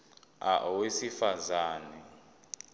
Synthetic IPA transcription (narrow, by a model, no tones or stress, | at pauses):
a̰wesifazaːnɛ